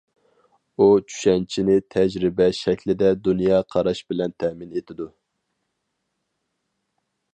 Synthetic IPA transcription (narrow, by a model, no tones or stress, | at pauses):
ut͡ʃʰy̥ʃɛnt͡ʃʰinɪt̪ʰɛd͡ʒɾɪbɛʃɛkʲlɪd̪ɛd̪unjɑːqʰɑɾɑʃbɪlɛnt̪ʰɛmɪnet̪ʰɪd̪u